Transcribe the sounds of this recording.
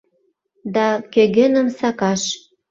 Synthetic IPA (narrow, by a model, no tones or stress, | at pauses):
d̪ɑkø̆ɣĕnə̆msɑkɑʃ